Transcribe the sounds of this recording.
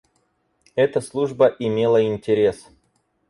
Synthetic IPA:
ɛt̪əslˠuʐbəʔɪmʲe̞lˠəɪnʲtʲɪɾʲe̞s

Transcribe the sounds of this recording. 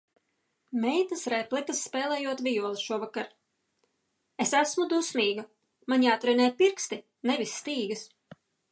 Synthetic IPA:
mɛjt̪ɐsɾɛplˠikɐsːpɛːlˠɛjuɔt̪vʲijuɔlˠisʃuɔvakaɾ | esæsmud̪usmʲiːɡa | maɲʲiat̪ɾunɛːpiɾkst̪i | nevʲisʲːt̪iːɡɨs

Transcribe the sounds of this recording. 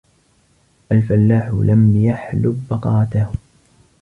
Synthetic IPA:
ʔalfalːaːħʊlamjaħlʊbːɑqɑːt̪ah

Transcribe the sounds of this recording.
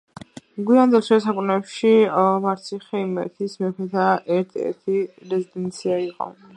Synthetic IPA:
mɡwiand̪ɛlˠʃɛsakʼunɛpʃimaɾt̪sʰiχɛmɛ̰t̪ʰismɛpʰɛt̪ʰaʔɛɾt̪ʰɛ̰ɾt̪ʰiɾɛzid̪ɛnt̪sʰiaiqʼɔ̰

